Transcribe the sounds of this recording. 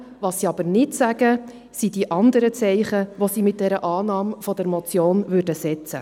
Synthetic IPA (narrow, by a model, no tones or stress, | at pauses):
ʋɑːsːiɑb̥əɾnɪtsæɡ̥ə | sidiʔɑnd̪əɾət͡sɛɪχəʋosiːmɪt̚d̥ɛɾəʔɑːnɑːmfɔd̥əɾmɔt͡sjoːnvʉːrdəsɛt͡sə̰